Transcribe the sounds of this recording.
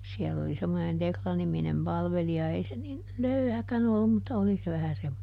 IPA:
siɛlː oli semːonen teklɑniminem pɑlʋeliɑ ei se nin løyhækæn olːum mutːɑ oli se ʋæhæ semːone

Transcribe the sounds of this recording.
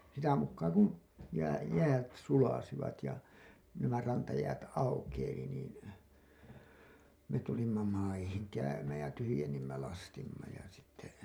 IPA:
sitæ mukːɑː kun jæː jæːt sulɑsiʋɑt jɑ næmæ rɑntɑjæːt ɑukeili niːn me tulimːɑ mɑihiŋ kæymæːj jɑ tyhyjenːimːæ lɑstimːɑ jɑ sitːe

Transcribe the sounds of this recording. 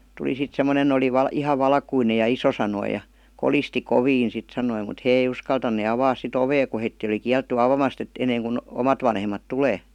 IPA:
tuli sit semːonen oli ʋɑl ihɑ ʋɑlkuinej jɑ iso sɑnoi jɑ kolisti koʋiːn sit sɑnoi mut heː ei uskɑltɑnˑe ɑʋɑːs sit oʋeː ku heitːiː oli kiæltːy ɑʋɑmɑst et enːeːŋku omɑt ʋɑnhemˑɑt tuleː

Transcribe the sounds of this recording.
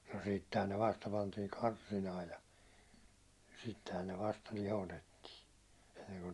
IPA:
no sitːehæn ne ʋɑstɑ pɑntiː kɑrsinɑː jɑ sitːehæn ne ʋɑstɑ lihotetːiː enːeŋku

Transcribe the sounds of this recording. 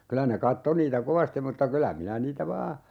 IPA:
kylæ ne kɑtːo niːtæ koʋɑstim mutːɑ kylæ minæ niːtæ ʋɑː

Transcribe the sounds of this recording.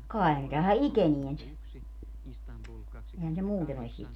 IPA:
kɑi̯ ne tæhæ ikenien se ehæn se muːten olis siːt

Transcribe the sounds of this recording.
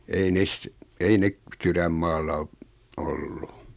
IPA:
ei nes ei nek syræmːɑːlːɑ o olːu

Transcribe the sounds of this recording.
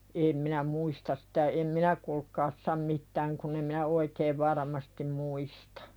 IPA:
eːm minæ muistɑs sĭ̥tæ em minæ kulkˑɑːs sɑm mitːæːŋ kunː em minæ oikeːʋ ʋɑrɑˑmɑstim muistɑ̥

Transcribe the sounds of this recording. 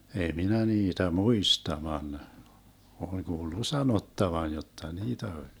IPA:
ei minæ niːtæ muistɑ ʋɑn oleŋ ɡ̊uːlːu sɑnotːɑʋɑn̞ jotːɑ niːtæ olʲ

